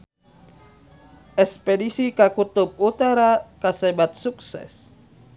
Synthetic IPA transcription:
ʔɛspedisikakut̪ub̚ut̪aɾakasɛbat̪̚suksɛ̰s

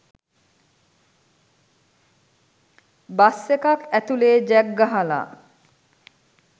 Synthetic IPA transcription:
basːekakæt̪uleːd͡ʑɛɡːaɦala̰

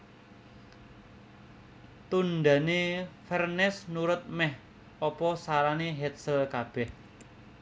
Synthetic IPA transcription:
t̪unɖ̪a̤nefɛrnɛsnuɾʊt̪̚mɛh | ɔpɔsaɾaneɦɛt̪̚səlkab̥ɛh

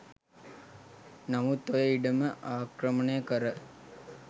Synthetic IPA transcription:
nɐmut̪ojɐiɖɐməʔaːkɾɐmɐneːkɐɾɐ

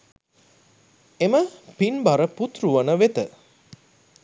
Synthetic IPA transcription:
eməpinbaɾəput̪ɾuʋənəʋet̪ə

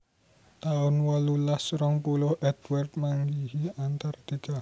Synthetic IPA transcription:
t̪aʊnwalulasɾɔŋpulʊhʔɛd̪ward̪̚maŋɡihiant̪art̪iɡ̥a

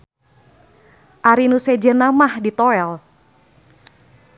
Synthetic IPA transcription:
ʔaɾinused͡ʒənamahdit̪oɛl

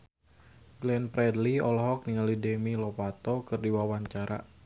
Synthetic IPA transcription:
ɡlɛnpɾɛdliɔlɦɔk̚niŋalidɛmilɔpat̪ɔkɨrdiwawaɲt͡ʃaɾʔa̰

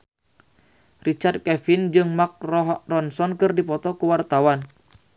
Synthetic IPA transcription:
rit͡ʃard̪̚kɛfind͡ʒɨŋmak̚rɔɦrɔnsɔnkɨrdipɔt̪ɔkuwart̪awan

